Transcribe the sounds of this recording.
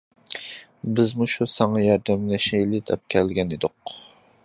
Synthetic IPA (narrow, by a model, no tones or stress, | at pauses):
bɪzmuʃusɑŋɑjɑɾd̪æmlɛʃijilɪd̪ʰɛp̚kʲʰɛlɡʲɛnɪd̪ʊq